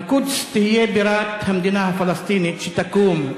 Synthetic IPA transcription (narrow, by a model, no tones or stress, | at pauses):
kud̪st̪iɦijebiɾaːt̪hɐmd̪inafɐlɐst̪iːnit͡ʃʰit̪ɐkuːm